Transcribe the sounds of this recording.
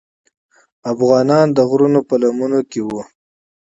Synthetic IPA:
afɣɑnɑnd̪əɣɾunopəlamunokewu

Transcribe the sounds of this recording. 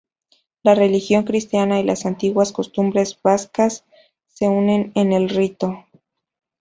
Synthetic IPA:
lare̞lixjo̞ŋkɾist̪janailasant̪iɣwasko̞st̪umbɾe̞zbaskasː | e̞une̞ne̞ne̞lrit̪o̞

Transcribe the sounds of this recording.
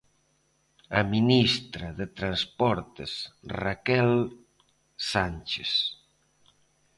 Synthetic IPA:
aminist̪ɾɐðet̪ɾanspɔɾt̪esrakɛl | sanʲt͡ʃes

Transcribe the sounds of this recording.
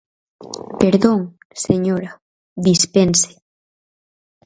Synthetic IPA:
peɾðoŋ | seɲoɾa | ðispense̥

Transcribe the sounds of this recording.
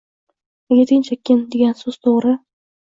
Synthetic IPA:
eɡʲet̪ʰɪnt͡ʃʰakʲʰːɪnd̪eɡʲansoz̥t̪ʰoʁɾɪ

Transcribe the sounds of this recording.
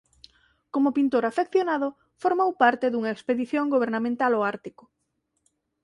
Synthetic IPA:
komʊpint̪oɾafekθjonaðʊ | foɾmowpaɾt̪eðuŋɐekspeðiθjoŋɡoβ̞eɾnamẽnt̪aloaɾt̪ikʊ̥

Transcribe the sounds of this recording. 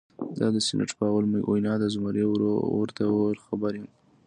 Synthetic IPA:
d̪ɑd̪əsɪnʔa̰ʈpəawalmʔo̰jnɑd̪azmaɾewɾo̰ə̰ɾt̪awɾxabaɾi

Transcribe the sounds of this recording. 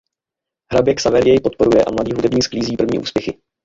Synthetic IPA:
ɦɾabjɛksavɛɾjɛjpo̞t̪̚po̞ɾujɛʔa̰mladiːɦudɛbɲiːskliːziːpr̩vɲḭːʔṵːspjɛxɪ

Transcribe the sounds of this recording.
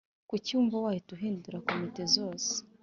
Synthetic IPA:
kucuːɱvawaːjotuɦiːnduɾakomitezo̞ːse̥

